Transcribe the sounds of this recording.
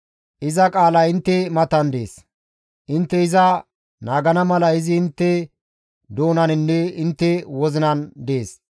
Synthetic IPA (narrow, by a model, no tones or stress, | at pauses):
ʔɪzɐkʼaːlɐɪnt̪ːɛmɐt̪ɐnd̪ḛːs | ʔɪnt̪ːɛɪzɐ | naːɡɐnɐmɐlɐɪzɪːnt̪ːɛ | d̪o̞ːnɐnɪnːɛɪnt̪ːɛwɔzɪnɐnd̪e̞ːs